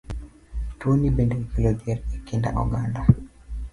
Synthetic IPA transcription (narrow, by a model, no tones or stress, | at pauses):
twonibendekilod͡ʒɛɾɛkinda̰ʔɔ̰ɡanda